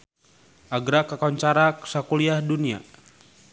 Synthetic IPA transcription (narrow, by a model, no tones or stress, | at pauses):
ʔaɡɾakakaɲt͡ʃaɾaksakuliahdunia̰